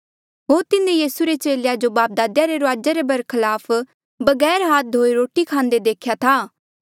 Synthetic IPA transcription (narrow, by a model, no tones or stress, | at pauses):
ɦoːɾt̪ɪnẽjiːsuɾet͡ʃeːljad͡ʒobaːp̚d̪aːd̪jaɾeɾʊaːd͡ʒaɾebɐɾkʰɐlaːpʰ | bɐɡɛːɾɦaːt̪ɦoːiɾoːʈikʰãːnd̪ed̪eːkʰjat̪ʰaː